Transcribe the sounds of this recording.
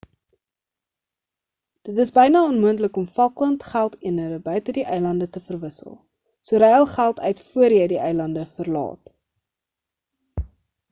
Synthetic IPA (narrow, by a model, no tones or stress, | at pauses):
d̥ətəsbəjnɑːɔnmuəntləkɔmfɐlˠkləntχælˠtiənəɾəbœɥtədiʔəjlɐndətəfərvəsə̰lˠ | suəɾɛjəlˠχælˠtʰœ̰ɥtfuəɾjəjdiʔœjlɐndəfərlɑ̰ːt